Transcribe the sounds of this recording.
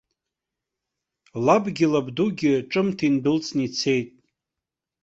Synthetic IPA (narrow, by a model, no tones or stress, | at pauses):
labɡʲɪlabduɡʲɪʈ͡ʂʼɨmtʰinbɨlt͡sʼnit͡sʰe̞jtʼ